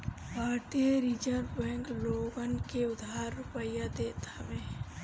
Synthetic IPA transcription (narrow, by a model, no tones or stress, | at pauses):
bʱaːt̪ieɾid͡ʒəɾbɛ̃ːŋkloːɡənkeʊd̪ʱaːɾːʊpəjad̪eːt̪amẽː